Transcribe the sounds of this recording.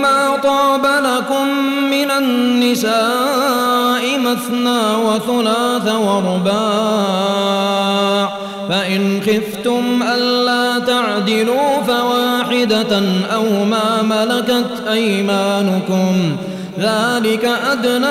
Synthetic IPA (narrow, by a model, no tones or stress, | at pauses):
maːt̪ˤɑːbalakʊmː | ɪnanːɪsaː | ʔɪmaθnaːwaθalaːθawɑɾˤʊbaː | ʕ | faʔɪnxɪft̪ʊmʔalːaːt̪aʕd̪ɪluːfawaːħɪd̪aʔawmaːmalakat̪ʔajmaːnʊkʊm | ðaːlɪkaʔad̪na